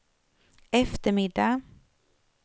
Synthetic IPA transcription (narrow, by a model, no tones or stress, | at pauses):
ɛft̪əɾmɪd̪ːa